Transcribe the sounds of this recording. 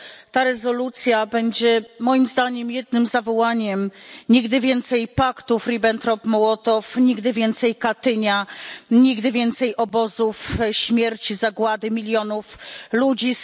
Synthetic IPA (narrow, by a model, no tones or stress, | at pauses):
t̪aɾɛzɔlut̪sʲjabɛɲd͡ʑɛmɔjimzd̪aɲɛmjɛd̪̚nɘmzavɔwaɲɛmɲiɡd̪ɘvʲjɛnt̪sɛjpakt̪ufɾibɛnt̪ɾɔpmɔwɔt̪ɔfɲiɡd̪ɘvʲjɛnt̪sɛjkat̪ɘɲaɲiɡd̪ɘvʲjɛnt̪sɛjʔɔbɔzufɕmʲjɛɾt͡ɕizaɡwad̪ɘmʲilʲjɔnuflud͡ʑi